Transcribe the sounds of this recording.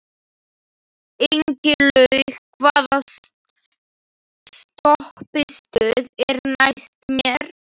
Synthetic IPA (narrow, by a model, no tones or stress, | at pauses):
ejɲcɪlœɥɣkʰvaːða | st̪ɔhpɪst̪œːðɛɾnajst̪mjɛɾ̥